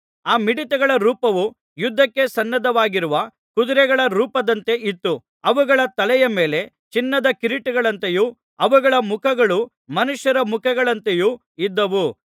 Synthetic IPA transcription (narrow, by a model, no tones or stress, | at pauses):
aːmiɽit̪ɛɡɐɭɐɾuːpɐʋu | jud̪ʱːɐkːe̞sɐnːɐd̪ɐʋaːɡiɾuʋɐ | kud̪uɾɛɡɐɭɐɾuːpɐd̪ɐnt̪e̞ʔit̪ːu | ɐʋuɡɐɭɐt̪ɐlɛjɐme̞ːle̞ | t͡ʃinːɐd̪ɐkiɾiʈuɡɐɭɐnt̪ejuː | ɐʋuɡɐɭɐmukʰɐɡɐɭu | mɐnuʃjɐɾɐmukʰɐɡɐɭɐnt̪ejuː | id̪ːɐʋu